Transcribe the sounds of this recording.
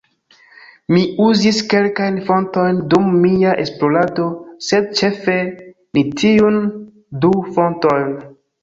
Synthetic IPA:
miuziske̞lkajnfo̞nto̞jndumːiaʔe̞splo̞lado̞se̞d̚t͡ʃe̞fe̞ | nitʰiun | dufo̞nto̞jn

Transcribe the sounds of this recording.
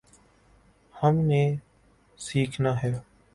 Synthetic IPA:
həmneː | siːkʰnaːɦɛː

